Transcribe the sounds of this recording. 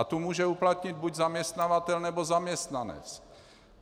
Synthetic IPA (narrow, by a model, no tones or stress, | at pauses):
at̪umuːʒɛuplat̪ɲɪd̪̚buɟzamɲɛst̪navat̪ɛlnɛbozamɲɛst̪nanɛ̰t͡s